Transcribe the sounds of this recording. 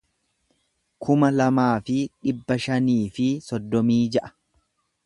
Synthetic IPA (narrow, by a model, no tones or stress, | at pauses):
kʰʊmɐlɐmaːfɪᶑɪbːɐʃɐniːfɪsɔd̪ːɔmiːd͡ʒɛʔɐ̥